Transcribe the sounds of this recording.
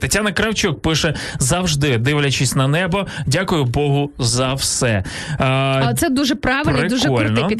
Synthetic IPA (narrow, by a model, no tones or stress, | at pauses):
t̪ɐtʲanɐkɾɐwt͡ʃuk̚pɪʃɛ | zɐwʒd̪ɪd̪ɪʋlʲɐt͡ʃɪsʲnɐnɛbɔdʲakʊjʊbɔɦʊzɐwsɛ | t̪sɛd̪uʒɛpɾɑʋpɪlnɾɪd̪uʒkɛɔlʲnɔ